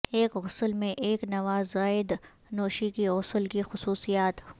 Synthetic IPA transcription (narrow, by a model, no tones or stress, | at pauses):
eːkɣʊsəlmẽʔeːknɐʋaːzːaːɪd̪ | noːʃikiʊsəlkixʊsuːsijaːt̪